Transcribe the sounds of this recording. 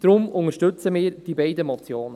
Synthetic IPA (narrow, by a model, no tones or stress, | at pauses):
d̪̥ɾʊmʊŋəʃtɵt͡səmɪːɾd̥ibɛɪdəmɔt͡sjoːnə